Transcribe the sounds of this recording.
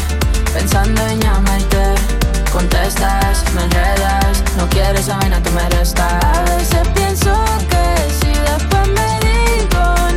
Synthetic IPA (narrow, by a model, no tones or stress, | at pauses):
pensãnd̪oeɲament̪e | kont̪est̪asmeteðasnõwkjɛɾesamejnat̪omeɾest̪aðesepjenso | ke | siðefemeðiko